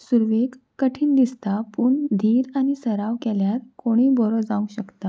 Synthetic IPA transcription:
suɾʋeɡ | kːəʈʰiːnd̪ist̪apuɳd̪ʱiːɾañisəɾaʋkɛljat̪koɽ̃iːbɔɾɔd͡zãʋũɕəkt̪a

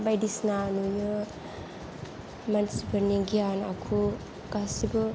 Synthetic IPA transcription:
bajdisnanujɯ | mansibɯniŋɡianakʰu | ɡasibɯ

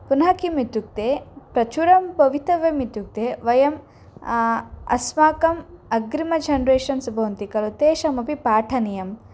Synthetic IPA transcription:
punɐkimit̪uk̚t̪eːpɾɐt͡ʃuɾɐmpɐʋit̪ɐʋjɐmit̪juk̚t̪eːʋɐjɐm | ɐ̰smaːkɐmɐɡɾimɐd͡ʒɐnɾeːʃɐnsɐbʱɐʋɐnt̪ikɐlɐt̪eːʃɐmɐpipaːʈʰɐnijɐm

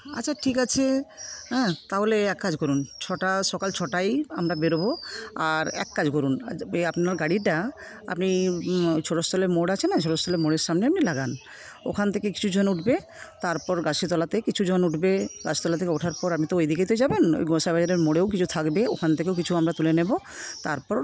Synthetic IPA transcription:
a̰t͡ɕʰaʈʰikat͡ɕʰeɦɛ̃t̪aɦoleɛkːad͡ʑkɔɾunt͡ɕʰɔʈaʃɔkalt͡ɕʰɔʈajamɾabeɾoboaɾɛ̰kːad͡ʑkɔɾunapnaɾɡaɽiʈa | a̰pni | t͡ɕʰoʈost̪ʰɔleɾmoɽat͡ɕʰenat͡ʃʰoɽost̪ʰɔleɾmoɽeɾʃamneap̚nilaɡan | o̰kʰant̪ʰekeki̥t͡ɕʰud͡ʒʱɔnuʈʰbe | t̪aɾpɔɾɡasit̪ɔlat̪ekit͡ɕʰud͡ʒʱɔnuʈʰbeɡasit̪ɔlat̪ʰekeuʈʰaɾpɔɾapmit̪ɔojd̪ʱikejt̪ojd͡ʒabeno̰jɡɔsabad͡ʑaɾeɾmoɽewkit͡ɕʰut̪ʰakbeokʰant̪ʰekewkit͡ɕʰuamɾat̪ulenebo | t̪aɾpɔɾ

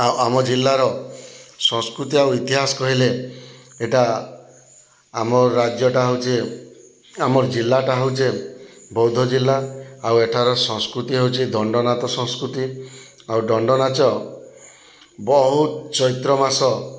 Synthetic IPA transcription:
awamɔd͡ʒilːaɾɔ | sɔ̃ŋskɾut̪iawit̪iɦasɔ̥kɔɦile | eʈa | mɔɾad͡ʒjɔʈaɦowt͡ʃʰe | amɔɾd͡ʒilːaʈaɦowt͡ʃebɔwd̪ʱɔd͡ʒilːaaweʈʰaɾɔsɔ̃ŋskɾut̪iɦewt͡ʃʰid̪ɔɳɖɔnat̪ɔsɔ̃ŋskɾut̪i | awɖɔɳɖɔnat͡ʃɔ | bɔɦut̪t͡ʃɔit̪ɾɔmasɔ

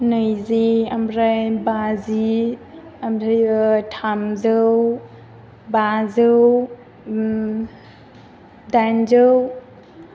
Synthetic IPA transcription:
nɯjziamɾajbazi | amɾajtʰamzɯw | bazɯw | dand͡ʒɯw

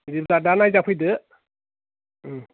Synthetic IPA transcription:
dibdadanajzapʰɯjdɯ

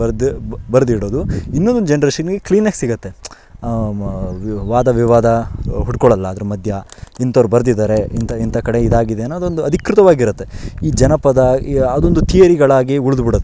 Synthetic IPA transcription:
ɐɾd̪bɐɾd̪iɽo̞ːd̪uinːond̪od̪ud͡ʒenɐɾeːʃɐnɡekliːnaɡsiɡɐt̪ːe̞ | ʋaːd̪ɐʋiʋaːd̪ɐɦuʈ̚kɔɭɐlːɐːd̪ɐɾemɐd̪ʱjɐint̪ɐʋɾubɐɾd̪id̪aːɾe̞int̪ɐint̪ɐkɐɽe̞id̪aːɡid̪eːnːoːd̪ond̪uɐd̪ʱikɾut̪ɐʋaːɡiɾut̪ːe̞iːd͡ʒɐnɐpɐd̪ɐɐd̪ond̪ut̪ijɐɾiɡɐɭaːɡiuɭud̪ubiɽot̪ː

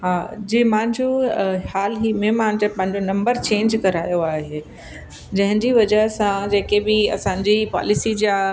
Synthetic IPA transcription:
ɦaːd͡ʑiːmãːɦɪ̃ɲd͡ʑohaːlɦiːmẽmãɦɪ̃ɲd͡ʑəpɐ̃ɦɪ̃ɲd͡ʑonɐ̃mbəɾt͡ɕẽːɲd͡ʑkɐɾaːjoaːɦe | d͡ʑɐ̃ɦɪ̃ɲd͡ʑiʋɐd͡ʑəɦsãd͡ʑeːkebɪɐ̰sãːɲ̆d͡ʑipa̰ːlɪsid͡ʑa

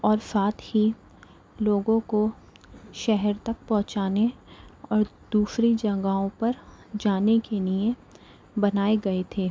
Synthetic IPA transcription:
ɔːɾsaːt̪hi | loːɡõko | ʃɛɦɛɾt̪ɐk̚pɔ̃ɦt͡ʃaːneɔːɾd̪uːsɾid͡ʒɐɡaõpɐɾd͡ʒaːnekeliẽ | bɐnaːeɡɐet̪ʰeː

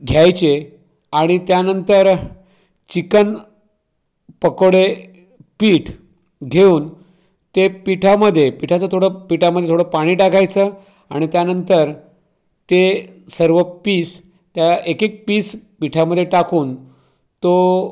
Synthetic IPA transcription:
ɡʱjajt͡ɕe | aɽ̃it̪janənt̪əɾ | t͡ɕikən | pəkəɽe | piːʈʰ | ɡʱeuːn | t̪epiʈʰaməd̪ʱːjepiʈʰat͡sət̪ʰoɽəpiʈaməd̪ʱjet̪ʰoɽəpaɽ̃iːʈakʰajt͡səː | aɽ̃it̪janənt̪əɾ | t̪esəɾʋəpiːs | t̪jaekek̚piːspiʈʰaməd̪ʱːjeʈakʰuːn | t̪o

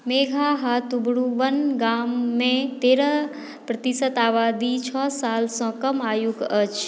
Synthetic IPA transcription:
meːɡʱaɦat̪ubɽuʋənɡamːẽt̪eɾə | pɾət̪isət̪aːʋaːd̪it͡ʃʰɔsaːlsə̃kəmaːjuɡət͡ʃʰ

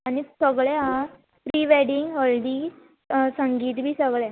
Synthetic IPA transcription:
anisəɡɭɛɦa | ɾiʋɛɖiŋɡɦolɖi | səŋɡiːt̪bʱiːsəɡɭɛ

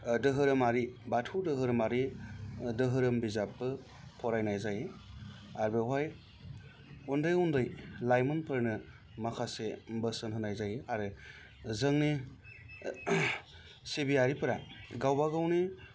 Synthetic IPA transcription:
dɯɦɯɾɯmaɾibatʰudɯɦɯɾɯmaɾi | dɯɦɯɾɯmbizapːɯ | pʰɔɾajnajzaj | aɾbeɦaj | undɯjundɯjlajmɯnpʰɯɾnɯ | makʰasebəsɯnɦɯnajzajaɾɯ | zɯŋni | sibiaɾipʰɯɾaɡawbaɡawni

